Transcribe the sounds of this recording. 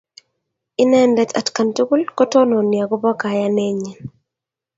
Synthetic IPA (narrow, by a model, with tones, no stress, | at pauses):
ɪ˦nɛ˦ndɛ˨ta̰˨tka˨ntu˦ku˦lkɔ˦tɔ˦nɔ˨nja˨ɡɔ˦bɔ˦ka˨ja˦nɛ˦ɲɛ˨n